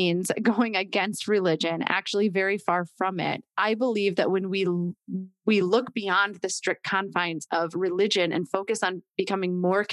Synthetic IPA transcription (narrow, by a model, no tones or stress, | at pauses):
nz̥ɡoʊɪ̃ŋɨɡɛ̃nst̚ɹɨlɪd͡ʒɨ̃næ̰k̚t͡ʃul̩ˠivɛɹifɑɹfɹʌ̃mɪ̰t̚ʔaɪbəlivðɨʔ̚wɨ̃nwi | wilʊkb̥iɑ̃nðɨstɹ̥ɪk̚kkʰɑ̃ɱfãɪ̃nsʌvɹɨlɪd͡ʒɨ̃nɨ̰̃nfoʊkɨsn̩b̥ɨkʰʌmɪ̃ŋmɔɹkʰ